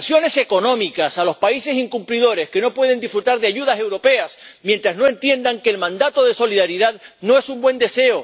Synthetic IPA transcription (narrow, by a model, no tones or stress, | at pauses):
sjo̞ne̞se̞ko̞nõ̞mikasalo̞spaise̞siŋkumpliðo̞ɾe̞ske̞no̞pwe̞ð̞e̞nd̪ifɾut̪aɾðeaʝuð̞ase̞wɾo̞pe̞asmjent̪ɾazno̞e̞nt̪je̞nd̪aŋke̞ːlmãnd̪at̪o̞ðe̞so̞liðaɾiðaðno̞e̞sumbwẽ̞nd̪e̞se̞o